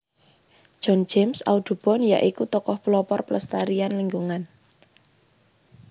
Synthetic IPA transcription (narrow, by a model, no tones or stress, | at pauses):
ʒ̥ɔ̤n̥d͡ʒ̥emsa̰ud̪̥ṳb̥ɔ̤nja̰ʔikut̪ɔkɔhpulɔpɔrpləst̪aɾianliŋɡuŋan